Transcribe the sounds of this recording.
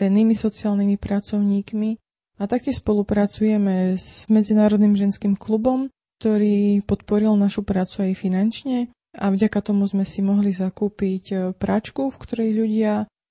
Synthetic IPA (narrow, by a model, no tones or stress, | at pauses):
ɾɛniːmisɔt͡siaːlnimipɾat͡sɔʊɲiːkmi | at̪ak̚cɪɛʃspɔlupɾat͡sujɛmɛz̥mɛd͡zinaːɾɔd̪nimʒɛnskiːmklubɔm | k̚t̪ɔɾiːpɔt̪pɔɾilnaʃupɾaːt͡suajfinant͡ʃɲɛ | ʔavɟakat̪ɔmuzmɛsimɔɦlizakuːpicpɾat͡ʃkufkt̪ɔɾɛjʎuɟɪa